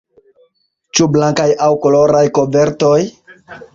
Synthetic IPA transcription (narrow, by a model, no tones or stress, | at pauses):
t͡ʃublaŋkajawkolo̞ɾajkobe̞ɾto̞j